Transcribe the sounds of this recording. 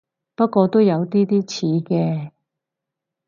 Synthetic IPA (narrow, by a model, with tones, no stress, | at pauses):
pɐ˥t̚kʷɔː˧t̪o˥wjɐ˨˧wt̪iː˥t̪iː˥t͡sʰiː˨˥kɛː˧